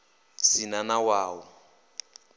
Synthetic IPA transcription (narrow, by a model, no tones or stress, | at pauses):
sinanawaːwɔ